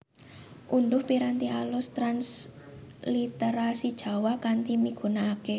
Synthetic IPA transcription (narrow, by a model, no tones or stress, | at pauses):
ʔundʊhpiɾant̪ialʊst̪ɾans | lit̪eɾasid̥ʒ̥ä̤wakant̪imiɡ̥ṳnaːke